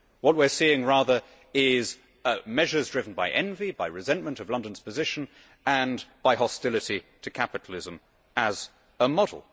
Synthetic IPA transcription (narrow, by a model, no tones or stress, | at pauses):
wʌt̚wɪɹsiɪ̃ŋɹæðə˞ | ɪz | mɛʒə˞zdɹɪvn̩baɪʔɛ̃nvibaɪɹɨzɛ̃nmə̃ntʌvlʌ̃ndə̃nz̥pʰɨzɪʃɨ̃n | ə̃nb̥aɪɦɑstɪlˠɨɾitʰɨkʰæpɨɾʰˡl̩ˠɪzə̃m | əz | əmɑdˡl̩ˠ